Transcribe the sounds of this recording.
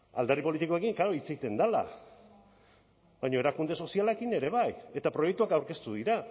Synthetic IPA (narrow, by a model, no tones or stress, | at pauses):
a̰ld̪aripo̞lit̪ikoekiŋkaɾoit͡set̪e̞nd̪ala̰ | bajɲo̞e̞ɾakund̪e̞so̞sialekine̞ɾe̞βaje̞t̪apɾo̞jek̚t̪uakawɾke̞st̪uðiɾa